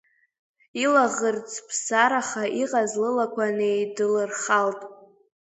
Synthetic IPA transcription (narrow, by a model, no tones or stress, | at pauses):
ilaʁərt͡sʰʼpʰsaɾaχaʔiqʼazlɨlakʷʰanejdɨlɨrχaltʼ